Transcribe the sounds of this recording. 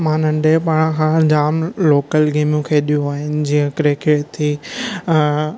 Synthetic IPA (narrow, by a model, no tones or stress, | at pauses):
mãːnə̃ɳɖepaːɽ̃kʰãd͡ʑaːmloːkəlɡeːmjũkʰeɗijũaːɦɪnɪ̆d͡ʑiːə̃kɾekʰɪɽt̪ʰiː